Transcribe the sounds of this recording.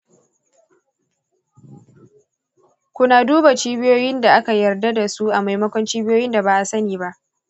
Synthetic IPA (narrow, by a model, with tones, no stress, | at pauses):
kʷʊ˦naː˨duː˦ba˨t͡ʃiː˦bɪ˦joː˦jɪ˦nda˨ʔa˦ka˨jɐ˨rda˦da˨su˦ʔa˨ma˨jmɐ˦kʷɔ˦nt͡ʃiː˦bɪ˦joː˦jɪ˦nda˨baː˦ʔa˨sɐ˦niː˨ba˦ʔ